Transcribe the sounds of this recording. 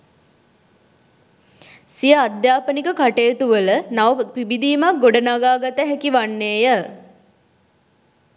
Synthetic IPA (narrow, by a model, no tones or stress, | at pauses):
sijəad̪jaːpənikəkaʈeːt̪uʋələnaʋəpibid̪iːmak̚ɡoɖənaɡaːɡat̪əɦɛkiʋanːeːjə